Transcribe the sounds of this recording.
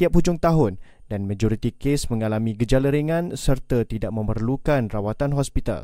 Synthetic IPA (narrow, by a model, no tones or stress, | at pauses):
t̪iap̚ːud͡ʒʊŋt̪aɦʊn | danmãd͡ʒɔɾit̪ikesmə̃ŋalamĩɡəd͡ʒaləɾeŋãnsərt̪at̪idaʔ̚mə̃mərlukanrawat̪anɦɔspit̪a̰l